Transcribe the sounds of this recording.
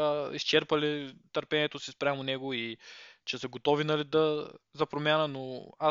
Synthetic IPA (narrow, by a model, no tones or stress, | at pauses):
əist͡ʃɛɾpəlit̪əɾpɛniɛt̪osispɾʲamonɛɡoit͡ʃɛsəɡot̪ɔvinɐlid̪ɐzɐpɾomʲjanənoa